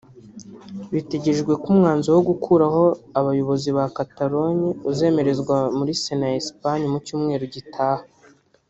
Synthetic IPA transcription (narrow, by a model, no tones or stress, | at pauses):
βitiɟeʒɡwe̞kumŋaːnzowoɡukʰuɾaɦo̞aβajo̞βo̞ziβakataɾo̞ɲiuze̞ːme̞ɾe̞zɡwamuɾisenaespaɲimucuːmŋe̞ːɾuɟitʰaːha